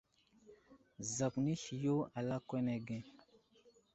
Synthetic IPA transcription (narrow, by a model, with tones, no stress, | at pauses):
za˨kni˦ɬi˨jo˦a˨la˦kwe˦ne˨ɡe˦